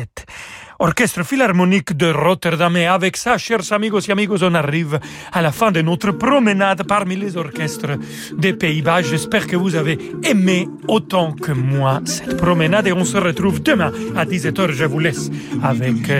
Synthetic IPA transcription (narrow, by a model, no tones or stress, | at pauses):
ɛt̪ | ɔʁkɛst̪ɾəfilaʁmɔnikd̪əʁɔt̪ɛʁd̪amɛavɛksaʃɛʁzamiɡosiamiɡozɔ̃naʁiv | alafɛ̃d̪ənot̪ɾəpʁɔmənad̪paʁmilezɔʁkɛst̪ʁə | d̪epeibaʒɛspɛʁkəvuzaveːme | ot̪ɑ̃kəmwasɛ̥t̪pʁɔmənad̪eɔ̃səʁət̪ɾuvd̪əmɛ̃ad̪is̬ɛt̪œʁʒəvulɛsavɛk